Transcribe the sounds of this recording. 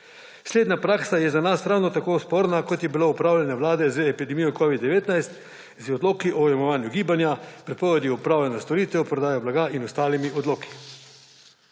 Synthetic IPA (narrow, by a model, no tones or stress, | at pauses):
sleːd̪napɾaːksajɛzanasɾawnɔt̪akoːspoːɾnakɔt̪jɛbiloupɾaːwlʲjɛnɛʋlaːd̪ɛzəɛpid̪ɛmijɔkɔʋid̪d̪ːɛʋeːt̪najst̪ | zɔd̪loːkiʔɔwjamɔʋaːnjuɡiːbanjapɾɛpɔːʋɛd̪iɔpɾaːwlɛnast̪ɔɾiːt̪ʋɛwpɾɔd̪aːjɔblaɡainɔst̪aːlimiɔd̪loːki̥